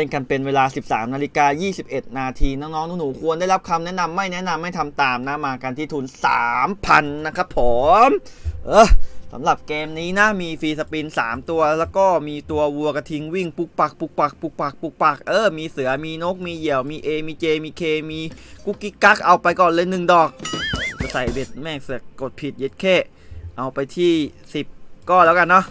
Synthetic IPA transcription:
ɾe˥˩nka˧npe˧nweː˧laː˧si˨˩p̚sa̰ː˩˦mnaː˧li˦˥kaː˧jiː˥˩si˨˩p̚ʔe˨˩t̪̚naː˧t̪ʰiː˧nɔː˦˥ŋnɔː˦˥ŋnuː˨˦˥nuː˨˩˦kʰu˧əndaː˥˩jla˦˥p̚kʰa˧mnɛ˦˥na˧mːa˥˩jnɛ˦˥ʔna˧mːa˥˩jt̪ʰa˧mt̪aː˨˩mna˦˥maː˧ka˧nt̪ʰiː˥˩t̪ʰuː˧nsa̰ː˩˦mpʰa˧nːa˦˥kʰa˦˥pʰːoː˩˦mʔɤː˧˩sa̰˩˦mɾa˨˩p̚keː˧mniː˦˥na˦˥miː˧fiː˧sa˧pi˧nsa̰ː˩˦mt̪u˧ɐlɛː˦˥wkɔː˥˩miː˧t̪u˧ɐwu˧ɐka˧t̪ʰi˧ŋwi˥˩ŋpu˧˩k̚pa˨˩k̚pu˨˩k̚pa˨˩k̚pu˨˩k̚pa˨˩k̚pu˨˩k̚pa˨˩k̚ʔɤː˧˩miː˧sɯ˩˦ɐmiː˧no˦˥k̚miː˧ji˨˩˦əwmiː˧ʔeː˧miː˧t͡ɕeː˧miː˧kʰeː˧miː˧ku˦˥kːi˦˥ka˦˥k̚ʔa˧wpa˧jkɔː˨˩nlɤː˧jnɯ˨˩ŋdɔː˨˩k̚t͡ɕa˧˩sa˨˩jbe˨˩t̪̚mɛː˥˩sk̚ko˨˩t̪̚pʰi˨˩t̪̚je˦˩t̪̚kʰeː˥˩ | ʔa˧wpa˧jt̪ʰiː˥˩ | si˨˩p̚kɔː˥˩lɛː˦˥wka˧nːɔ˦˥ʔ

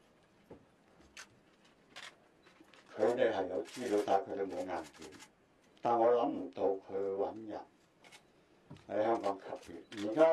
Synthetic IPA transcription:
kʰɵ˨˧ɥne˨˧˩hɐ˨˩jja˨˧wt͡ɕiː˥˩lo˧˥t̪aː˧˩kʰɤ˨˧˥d̪e˨˧mo˨˧ŋaː˨˧˩npḭ˨˦n | t̪aː˨˩nŋɔː˧la˨˦˥ŋm̩˨˩t̪o˧wkʰə˨˧wɐ˨˥nja̰˨˩n | ha˨˧˥hœː˥˩ŋkɔː˨˦˥ŋkʰa˨˩p̚pḭ˨˩t̚ji˨˩kaː˦˥

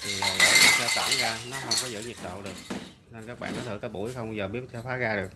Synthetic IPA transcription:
t̪ʰi˨˩əː˨˩ɗə̰˧˨˩kḭ˨˦sə̰ː˧˩t̪a̰˧˩nzaː˧nɔ˨˦xə˧wŋ͡mkɔ˨˦zɨ̰˧˥ɲi˨˩t̚ɗo̰˧˨wɗɨ˨˩ək̚ | ne˧nkaː˦˥k̚ɓa̰ː˧˨nːɔ˨˦t̪ɨ̰˧˩k̪ɔː˨˦ɓṵ˧˩jxə˧wŋ͡mzəː˨˩ɓi˦˥əp̚t̪ʰɛ˧wfaː˨˦ɣaː˧ɗɨ˨˩ək̚

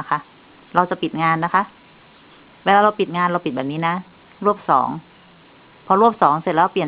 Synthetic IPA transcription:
kʰa˧˥ | ɾa˧wt͡ɕa˨˩pi˨˩t̪̚ŋaː˧nːa˦˥kʰa˧˦˥ʔ | weː˧laː˧ɾa˧wpi˨˩t̪̚ŋaː˧nɾa˧wpi˨˩t̪̚bɛː˨˩p̚niː˦˥na˦˥ | ɾu˥˩əp̚sɔ̰ː˩˦ŋ | pʰɔ˧ɾu˥˩əp̚sɔː˩˦ŋse˧˨˩lɛː˧˥˧pli˨ə˨

